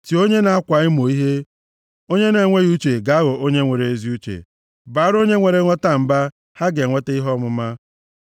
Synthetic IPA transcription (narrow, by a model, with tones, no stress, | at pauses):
ti˨o˦ɲe˦na˨a˦kʷa˨ɪ˦m˨o˨i˦ɦe˦ | o˦ɲe˦ne˨ŋʷe˦ɣu˦t͡ʃe˨ɡa˨a˦ɣʊ˨o˦ɲe˦ŋʷe˨ɾe˨e˨zi˦u˦t͡ʃḛ˨ | ba˨˦ɾo˦ɲe˦ŋʷe˨ɾe˦ŋʷe˦ta˦m̩˨ba˦ | ha˦ɡe˨ŋʷe˦te˦i˦ɦɔ˦mʊ˨ma˦